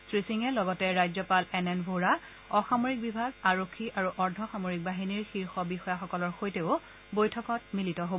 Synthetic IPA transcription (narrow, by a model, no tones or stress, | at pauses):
sɹisiŋɛlɔɡɔtɛɹajzɔpalɛnɛnbʱoɹa | ɔxamoɹik̚bibʱaɡaɹokʰːiʔaɹuʔɔɹdʱɔxamoɹik̚baɦiniɹxiɹxɔbixɔjaxɔkɔlɔɹxojteʊ | bojtʰɔkɔt̚militɔɦob